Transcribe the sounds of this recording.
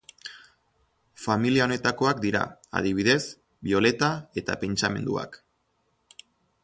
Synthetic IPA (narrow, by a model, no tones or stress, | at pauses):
familiao̞ne̞t̪ako̞ak̚d̪iɾa̰a̰ðiβ̞iðe̞s | bio̞le̞t̪ae̞t̪a̰pe̞nt͡ʃame̞̰nd̪ṵa̰k